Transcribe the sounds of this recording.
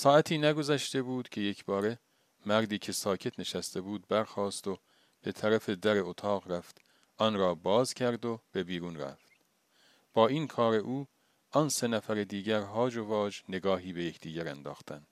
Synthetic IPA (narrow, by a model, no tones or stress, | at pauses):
sɒːæt̪ʰiːnæɡo̞zæʃt̪e̞buːd̪̥cʲʰe̞jecʰbɒːɾe̞ | mæɾd̪iːcʰe̞sɒːcʰe̞t̪ʰne̞ʃæst̪e̞buːd̪̚bæɾxɒːst̪o̞ | b̥e̞t̪ʰæɾæfe̞d̪æɾe̞ot̪ʰɒːɣɾæft̪ | ʔɒnɾɒːbɒːzcʰæɾd̪ob̥e̞biːɾuːnɾæ̰ft̪ | b̥ɒːiːnkʰɒːɾe̞ʔuː | ɒnse̞næfæɾed̪iːɟæɾɦɒːd͡ʒovɒːd͡ʒne̞ɡɒːɦiːbe̞jecʰd̪̥iːɟæɾænd̪ɒ̰ːxt̪ʰænd̪̥